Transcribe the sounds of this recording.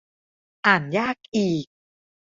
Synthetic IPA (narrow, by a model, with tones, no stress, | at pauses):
ʔaː˨˩njaː˥˩k̚ʔiː˨˩k̚